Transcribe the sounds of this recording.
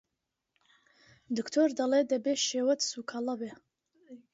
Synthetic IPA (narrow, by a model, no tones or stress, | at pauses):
d̪ɨkʰt̪ʰord̪aled̪ɐbeʃewɐtsukʰalabe